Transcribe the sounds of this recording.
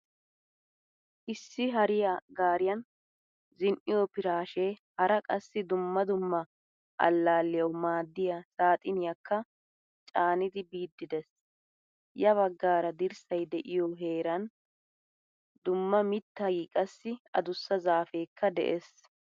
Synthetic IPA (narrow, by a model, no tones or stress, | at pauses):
ʔɪsːɪɦɐɾɪjɐɡaːɾɪjɐn | zɪnʔɪjɔpɪɾaːʃeːhɐɾɐkʼɐsːɪd̪ʊmːɐd̪ʊmːɐ | ʔɐ̰lːaːlːɪjɐwmaːd̪ːɪjɐsaːt̪ʼɪnɪjɐkʰːɐ | t͡ʃʼaːnɪd̪ɪbiːd̪ːɪd̪ɛs | jɐβɐɡːaːɾɐd̪ɪɾsɐjd̪ɛʔɪjoɦe̞ːɾɐn | d̪ʊmːɐmɪt̪ːɐjiːkʼɐsːɪɐ̰d̪ʊsːɐzaːfe̞ːkːɐd̪ɛ̰ʔes